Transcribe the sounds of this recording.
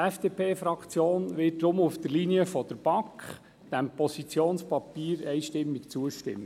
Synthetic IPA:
ɛfd̥eːpʰeːfɾɑkt͡sjoːnʋɪt̚dɾʊmufd̪əɾliniəfɔd̪əɾb̥ɑkχ | d̥æmpɔsit͡sjoːnspɑpiːɾɛjʃtɪmːikt͡suəʃtɪ̰mːə

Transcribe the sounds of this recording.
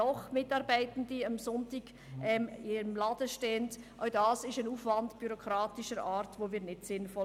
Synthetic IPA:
ɔχmɪtɑɾbæɪtn̩diɑmsɔntiɡ̥ | ɛmɪəmlɑd̥əʃteːəntʔaʊdɑːsɪʃanuːfvɑndb̥yɾokʁɾɑːtɪʃəɾɑːɾtvoːviːɾnɪtsɪnfɔ

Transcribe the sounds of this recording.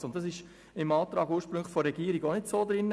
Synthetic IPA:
ʊnt̚d̥ɑsɪʃ | ɪmɑːt̪ɾɑːɡuːɾʃpɾʏŋlfoɾɛɡiːɾiɡonɪtsoːd̪ɾɪnːə

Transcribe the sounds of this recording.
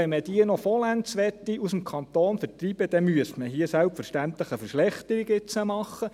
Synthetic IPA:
ɛnməd̥iənɔfɔlænt͡sʋɛt̪ːiʔusəmkʰɑnt̪oːnfəɾt̪ɾibəd̥̪ɛmyəstməɦiəsælpfəɾʃtænt̪ləχəfəɾʃlɛχt̪əɾiɡɪt͡səmɑχːə

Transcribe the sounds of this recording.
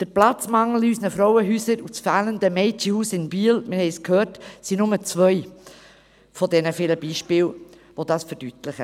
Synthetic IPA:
d̥əɾplat͡smɑŋl̩ysnəfɾɔʊəɦyːsəɾut͡sfæːləndəmɛɪtihuːsɪnbiəlmɪɾhɛɪskhøːrtsinʊmət͡svœʏ | fɔdɛnəfɪləbiːʃpɪːl | ʋod̥ɑːsfəɾd̥ytlɪχə

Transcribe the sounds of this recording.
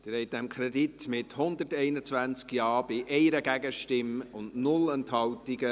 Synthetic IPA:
d̥əɾɛɪt̚dɛmkʰɾɛditmɪthʊnd̪ətɛɪnət͡svʋænt͡skjɑːb̥ɪʔɛɪɾəɡæɡəʃtɪmʊndnʊlɛnthɑwtiɡə

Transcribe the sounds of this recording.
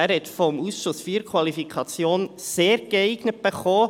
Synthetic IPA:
æɾhɛt̪fɔmusʃʊsfiːɾkʰwɑlifikʰɑt͡sjoːnseːɾɡ̥ɛɪɡ̥nət̚b̥eχoː

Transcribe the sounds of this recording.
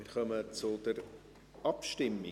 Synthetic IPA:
ɪɾχœmət͡sʊdəɾ | ʔɑpʃtɪmːi

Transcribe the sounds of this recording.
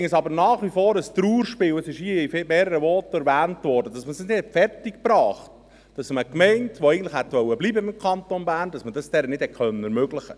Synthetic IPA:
ɪŋəsɑbəɾnɑːχʋifoːɾəst̪ɾuːɾʃpɪːwəsɪʃiifɪmeːɾəɾəvɔːtɛɾvæːntvɔːɾdəd̥ɑsməsɪsnɪd̥hɛtfɛrtɪk̚pɾɑːχt | d̥ɑsməkmɛɪntʋoæɡən̩tlɪχhɛtʋœwːəbliːbəɪmkʰɑntonbæːɾndɑsmədɑsd̥ɛɾənɪd̥hɛt̚kʰœnənɛɾmøɡlɪχə

